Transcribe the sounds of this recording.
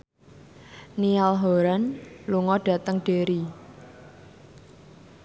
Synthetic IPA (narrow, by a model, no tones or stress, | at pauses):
nialɦoɾanluŋɔɖ̥ä̤t̪əŋɖ̥e̤ɾi